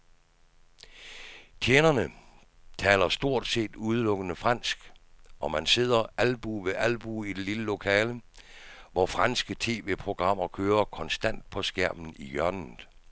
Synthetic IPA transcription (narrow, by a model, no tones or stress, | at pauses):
t͡sʰeːnɐnə | t͡sʰɛːlɐsd̥o̝ɐ̰d̥se̝̰ːd̥uð̞ˠəlɔ̽ɡ̥ənəfʁɑn̰sɡ̥ɒ̽mænse̝ð̰ˠɐʔælb̥uʋeʔælb̥uid̥e̝liləlo̝kʰɛːlə | ʋɒfʁɑnsɡ̥ət͡sʰe̝̰ːʋe̝̰ːpʰʁo̝ɡ̥ʁɑ̈m̰ɐkʰøːɐkʰɒ̽nsd̥æn̰d̥̚pʰɒ̽sɡ̥æɐ̰m̥n̩ijɶɐnn̩